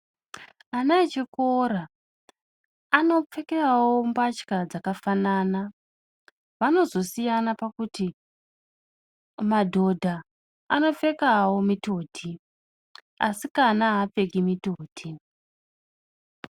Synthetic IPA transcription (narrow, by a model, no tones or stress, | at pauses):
anaet͡ʃekoɾa | ano̞p͡fe̞kerawo̞mbat͡ʃkad͡zakafanaːna | ʋano̞zo̞sijanapakuti | madʱo̞dʱa | ano̞p͡fe̞kawo̞mito̞ːtʰi | asikanaɦap͡fe̞ɡimitoːtʰi